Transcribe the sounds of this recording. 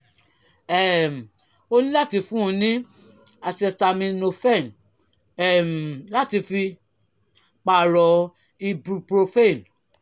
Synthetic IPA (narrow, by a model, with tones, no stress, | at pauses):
ɛ˨m̩˨ | o˧nĩ˦la˦ti˧fũ˦ũ˧nĩ˦ | a˧sɛ˧sta˧mĩ˧no˧fɛ˦˨n | ɛ˨m˨la˦ti˧fi˧ | k͡pa˨ɾɔ˨˦ | i˧bɾu˧pɾo˧fe˦˨n